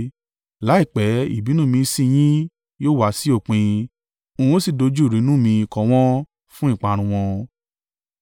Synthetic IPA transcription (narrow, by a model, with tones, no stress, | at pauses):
la˨˦i˦˨k͡pɛ˨˦ḭ˦˨bi˨˦nũ˦˨mĩ˧˦sĩ˦˧j̃ĩ˦ | joː˦˨wa˦si˦o˦˨k͡pĩ˧ | ũ˧˨o˦si˦˨do˧˦d͡ʒu˦˨ɾi˨˦nũ˦˨mĩ˧˨kɔ̃˨˧w̃ɔ̃˦ | fũ˦ĩ˦˨k͡pã˧˨˧ɾ̃ũ˧w̃ɔ̃˧